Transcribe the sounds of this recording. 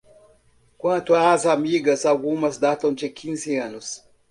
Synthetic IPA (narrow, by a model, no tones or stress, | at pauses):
kwɐ̃nt̪ʊazamiɡɐsawɡũmɐzd̪at̪ɐ̃w̃d͡ʒekʰĩzɪɐ̃nʊs